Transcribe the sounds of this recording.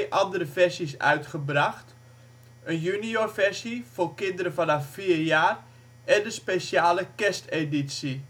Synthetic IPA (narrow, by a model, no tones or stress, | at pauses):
ʔɑndəɾəvɛrsisœ̰ɥtχəbraχt | ənjyniorfɛrsifoːrkɪndəɾəfanɑffiːrjaːr | ʔɛndəspesjaːləkɛsteditsi